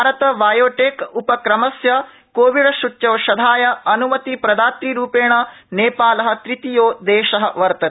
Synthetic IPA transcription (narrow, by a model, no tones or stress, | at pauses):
aːɾɐt̪ɐbaːjoːʈeːkupɐkɾɐmɐsjɐ | koːʋiɽɐʃuʈːt͡ʃɐʋɐʃɐd̪ʱaːjɐɐnumɐt̪ipɾɐd̪aːt̪ɾiɾuːpeːɳɐ | neːpaːlɐɦɐ̆t̪ɾit̪ijoːd̪eːʃɐɦɐʋɐɾt̪ɐ